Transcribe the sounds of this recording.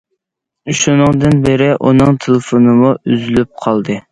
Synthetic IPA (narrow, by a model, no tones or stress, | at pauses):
ʃunɨŋd̪ɨnbɪɾɪʔunɨŋt̪ʰelˠɪfonɨmuyzylyp̚qʰɑlˠd̪ɨ